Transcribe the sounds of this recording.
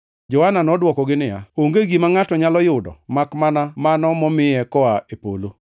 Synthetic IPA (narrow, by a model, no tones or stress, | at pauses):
d͡ʒɔhananɔdwɔkɔɡɪnɪja̰oŋɡeɡimaŋatɔɲalɔjʊdɔ̰makmanamanɔmɔmɪjɛkɔaepo̰lo